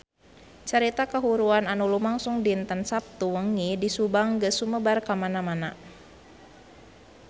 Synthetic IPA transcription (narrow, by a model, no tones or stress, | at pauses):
t͡ʃəɾit̪akəɦuɾuananulumaŋsuŋdint̪ənsap̚t̪uwəŋidisubaŋɡəsuməbarkamanamana